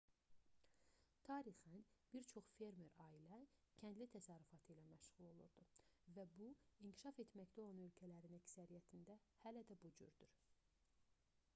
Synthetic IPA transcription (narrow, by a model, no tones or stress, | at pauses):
t̪ʰɑːɾixænb̥iɾt͡ʃʰo̞χfe̞ɾme̞ɾɑilæcʰænd̪lit̪ʰæsɑɾyfɑt̪ʰɯilæmæʃʁ̥ulˠo̞lˠṵɾd̪uvæbuincʰi̥ʃɑfe̞t̪mæct̪æo̞lˠɑnø̞lcʰælæɾinæcsæɾijæt̪ʰind̪æhælæd̪æbud͡ʒy̰ɾd̪yɾ